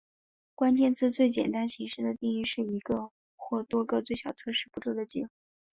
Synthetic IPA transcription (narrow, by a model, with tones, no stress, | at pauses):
kwa˥nt͡ɕjɛ˥˧nt͡sɹ̩˥˧t͡swe˥˩ɪt͡ɕjɛ̰˨˩nt̪a˥nɕi˧˥ŋʂɻ̩˥˩d̪ə˩t̪i˥˧ŋy˥˧ʂɻ̩˥˩i˧˥ɡə˧ | xwɔ˥˩t̪wɔ˥ɡə˧t͡swe˥˩ɪɕjɑ˨˩ʊt͡sʰɤ˥ʂɻ̩˥˩pu˧˥ʈ͡ʂ̪wu˥˩d̪ə˨˩t͡ɕḭ˥x